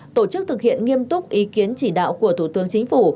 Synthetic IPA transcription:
t̪o˧˩t͡ɕɨ˦˥k̚t̪ʰɨ˨˩k̚hḭ˧˨ənŋi˧əmt̪ʊ˦˥k͡p̚ʔi˨˦ki˨˦ənt͡ɕi˧˩ɗa̰ː˧˨wku˧˩ət̪ʰu˧˩t̪ɨ˨˦əŋt͡ɕï˨˦ŋ̟fu˧˩

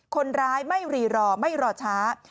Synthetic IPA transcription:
kʰo˧nɾaː˦˥jma˥˩jɾiː˨˩ɾɔː˧˩ma˥˩jɾɔː˧˩t͡ɕʰaː˦˥

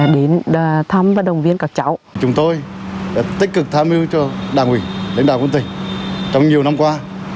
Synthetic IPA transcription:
ɗe˨˦n˨t̪ʰa˧mvaː˨˩ɗə˨˩wŋ͡mvi˧ənkaː˨˩k̚t͡ɕa˨˧˦wt͡ɕʊ˨˦ŋ͡mt̪o˧j | t̪i˦˥k̟̚kɨ˨˩k̚t̪ʰaː˧mi˧wt͡ɕɔ˧ɗaː˨˧˩ŋwḭ˧˩la̰˧˥ŋ̟ɗaː˧˨˩wə˧˦nt̪ŋ̟t͡ɕɔ˧wŋ͡mɲi˨˩əwna˧mkwaː˧

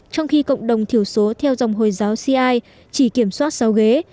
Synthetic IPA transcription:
t͡ɕɔ˧wŋ͡mxi˧kə̰˧˨wŋ͡mɗə˨˩wŋ͡mt̪ʰi˧˩əwso˨˦t̪ʰɛ˧wza˨˩wŋ͡mɦo˨˩jzaː˨˦wsi˧ʔaː˧j | t͡ɕi˧˩ki˧˩əmswaː˦˥t̚sa˨˦wɣe˨˦

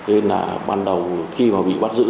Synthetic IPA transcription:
e˨˧˦la̰ː˨˩ɓaː˧nɗə˨˩wxi˧maː˨˩ɓḭ˧˨ɓa˦˥t̚zɨ̰˧˥

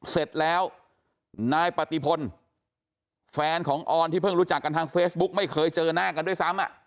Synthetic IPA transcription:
se˨˩t̪̚lɛː˦˥w | naː˧jpa˨˩t̪i˧pʰo˧n | fɛː˧nkʰɔː˩˦ŋʔɔː˧nt̪ʰiː˥˩pʰɤ˥˩ŋɾuː˦˥t͡ɕa˨˩kːa˧nt̪ʰaː˧ŋfeː˦˥s̚bu˦˥k̚ma˥˩jkʰɤː˧jt͡ɕɤː˧naː˥˩ka˧ndu˥˩əjsa˦˥mʔa˨˩ʔ

